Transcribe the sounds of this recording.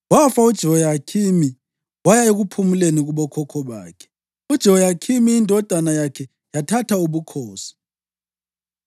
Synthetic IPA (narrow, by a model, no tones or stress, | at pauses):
wafaud̥ʒ̥ʱiwɔjakʰimi | wajaeɣupʰumuleniɣuβɔkʰɔkʰɔβa̰ːkʰɛ̥ | ud̥ʒ̥ʱiwɔjakʰimiːndʱɔd̥ʱanajakʰɛ | jatʰatʰauβukʰɔːsi̥